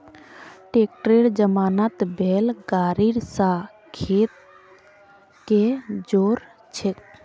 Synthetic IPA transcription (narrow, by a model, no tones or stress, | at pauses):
ʈeːk̚ʈɾeɽd͡ʒəmaːnat̪bʱeːlɡaːɾiɾsa | kʰeːt̪̚ | ked͡ʒoːɾ | t͡ʃʰe